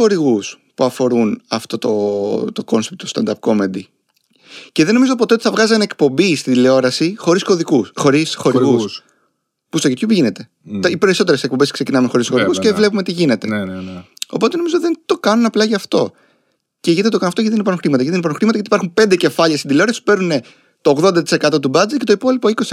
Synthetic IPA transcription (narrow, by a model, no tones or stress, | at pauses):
xo̞ɾiɣuspuɐfo̞ɾunɐft̪o̞t̪o̞t̪oko̞nsept̪ost̪ɐnd̪ɐp̚ko̞mend̪i | ceðe̞no̞mizo̞p̬o̞t̪et̪i̥θɐvɣɐziɐnekpo̞mbist̪id̪ileo̞ɾɐsixo̞ɾiskoðikuxoɾisxoiɣuss | pustocet̪çupiʝine̞t̪e̞ | ipe̞ɾiso̞t̪eɾesek̚po̞mbeskse̞cinɐmuxo̞ɾisxoɾiɣuscevle̞p̬umet̪iʝinet̪e̞ | o̞̰po̞t̪eno̞mizot̪iðent̪o̞kɐnunɐplɐʝɐft̪o̞ | ceʝinet̪et̪okɐnunɐft̪oʝɐt̪enipɐɾunxɾimɐt̪ɐjɐit̪ːnipɐnũxɾimɐt̪ɐʝɐt̪ipɐɾxumpend̪ece̞fɐʎɐst̪id̪ileo̞ɾɐsi̥pu̥pe̞ɾnune̞ | t̪oːɣðod̪ɐt̪i̥se̞kɐt̪o̞t̪ubɐd͡zet̪cet̪oipo̞lipo̞ikosi